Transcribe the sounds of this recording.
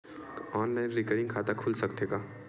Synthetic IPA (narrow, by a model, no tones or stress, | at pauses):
ɔːnlaːɪnɾɪkəɾɪ̃ŋɡkʰaːt̪akʰuːlsɐkt̪eɡaː